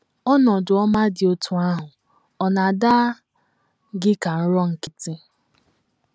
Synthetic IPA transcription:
ɔ˦nɔ˨dʊ˨ɔ˦ma˦dɪ˨o˦tʰu˦a˦ɦʊ˨ | ɔ˨na˨da˦ | ɡɪ˦ka˨n̩˦ɾɔ˦ŋ̩˨kɪ˨tɪ˦

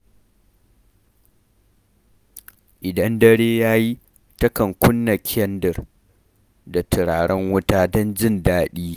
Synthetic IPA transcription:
ʔɪ˨dɐ˦ndɐ˦ɽeː˦jaː˦ji˦ | tɐ˦kɐ˨ŋkʷʊ˦nːɐ˨kʲʰɛ˦ndɪ˨r | da˨tɪ˨ɽaː˨ɽɛ˦ŋwʊ˦taː˦dɔ˦nd͡ʒɪ˦ndaː˦ɗiː˦

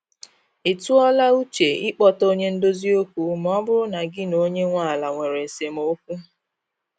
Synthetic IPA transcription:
i˨tu˦ɔ˦la˦u˦t͡ʃe˨ɪ˦k͡pɔ˦to˦ɲe˦n̩˦do˦zi˦o˦kʷu˦m˦ɔ˦bʊ˦ɾʊ˦na˨ɡɪ˦no˦ɲe˦ŋʷa˦˨la˨ŋʷe˨ɾe˨se˨m̩˨o˦k̚ʷu˦

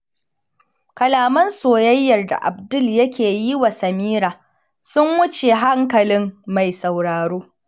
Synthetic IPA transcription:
kɐ˨laː˨mɐ˦nsoː˨jɐ˦jːɐ˨rda̰˨ʔa˨bdʊ˦˨ljɐ˦kʲeː˨ji˦wa˨sɐ˨miː˦ɾaː˨ | sʊ˦mwʊ˦t͡ʃe˨ɦa˦ŋkɐ˨lɪ˦mma˨jsa˨wɽaː˨ɽoː˦

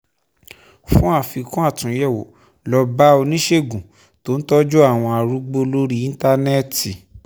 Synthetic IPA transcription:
fũ˦a˦˨fi˨˧kũ˦a˦˨tũ˨˦jɛ˦˨wo̰˨ | lɔ˧ba˦o˧nĩ˦ʃe˦˨ɡũ˨ | to˦n̩˦tɔ˦d͡ʒu˦a˦˨w̃ɔ̃˧a˧˨ɾu˦ɡ͡bo˦lo˦ɾi˦ĩ˦n˦ta˦nɛ˦˨ti˨

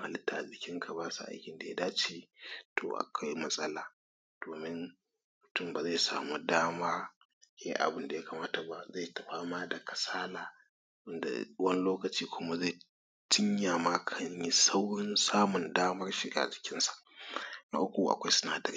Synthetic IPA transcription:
ʔa̰˨lɪ˦tʰːaː˨zɪ˨kʲɪ˦ŋkʰa˨baː˦sa̰˨ʔa̰˦jkʲɪ˨nda˨ja˦daː˦t͡ʃeː˦tʰo̰ː˨ʔa̰˨kʷa˦jmɐ˦sʼɐ˦laː˨ | d̥oː˨mɪ˦n | mʊ˨tʊ˦˨mbaː˨za˦˨sa̰ː˨mu˦daː˦maː˦ | jɛ̰˦ʔa̰˨bɨ˦nda˨ja˦ka˨maː˦ta˨ba˦za˦˨tɐ˨ɸaː˦maː˦da˨kʰɐ˨saː˦laː˨ | wɪ˦nda̰˨wɐ˦n˦loː˦kɐ˨t͡ʃiː˦kʷʊ˦ma˦za˦˨ | tɪ˦ɲja˨ma˦kʰɐ˦ɲji˦sa˦wɽɪ˦nsaː˦mʊ˨ndaː˦mɐ˦rʃi˦ɡa̰˨d͡ʒɪ̥˨kʲɪ˦nsḁ˨ʔna̰˦ʔʊ˦kʷu˨ʔa̰˨kʷa˦jsɪ˦na̰ː˨dɐ˨ɾi˦

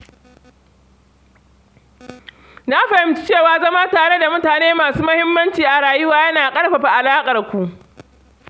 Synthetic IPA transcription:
na˦ɸɐ˨hɪ˦mt͡ʃɪ̥˦t͡ʃeː˦˨waː˨zɐ˦maː˦taː˨ɽe˦da˨mʊ˦taː˨neː˦maː˨suː˦mɐ˦hɪ˦mːɐ˦nt͡ʃiː˨ʔa˨ɽaː˨jʊ˦waː˦jɐ˦naː˨kʼɐ˦ɽɸɐ˨ɸa˨ʔa˨laː˦kʼɐ˨rkʷu˦ʔ

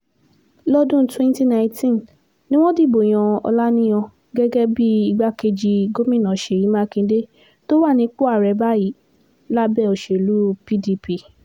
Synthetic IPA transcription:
lɔ˦dũ˦twɛ̃˦n˦ti˦nã˧ĩ˦tĩ˦n | nĩ˦w̃ɔ̃˦di˦˨bo˨j̃ã˨ɔ̰˧la˦nĩ˦j̃ɔ̃˧ | ɡɛ˦ɡɛ˦bi˦i˧ɡ͡ba˦ke˧d͡ʒi˧ɡo˦mĩ˦˨nã˨ʃe˨i˨˦mã˦kĩ˧de˦ | to˦wa˦˨nĩ˧˦k͡po˦a˦˨ɾɛ˧˦ba˦ji˨˦ | la˦bɛ˦˨o˧ʃe˨lu˦pi˦di˧pi˧˨

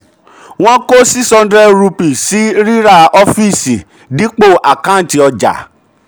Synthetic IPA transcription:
w̃ɔ̃˦ko˦si˦sɔ̃˧n˦dɾɛ˦ɾu˧pi˨si˦ɾi˦ɾa˦˨ɔ˦fi˦˨si˨ | dĩ˨˦k͡po˦˨ʔa˨kã˦˨n̩˨ti˧ɔ˧d͡ʒa̰˨

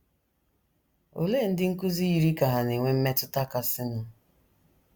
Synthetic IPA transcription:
o̰˨le˦˨n̩˦dɪ˦ŋ̩˦ku˦zi˦i˦ɾi˦ka˨ɦa˨ne˨ŋʷe˦m̩˦me˦tʊ˦ta˦ka˦sɪ˦nʊ˦

